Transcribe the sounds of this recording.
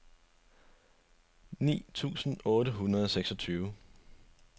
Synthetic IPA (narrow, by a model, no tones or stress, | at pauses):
nḭːt͡sʰṵːsn̩ɔ̽ːɾəɦunʁɐðˠɒ̽seɡ̥sɒ̽t͡sʰyːʊ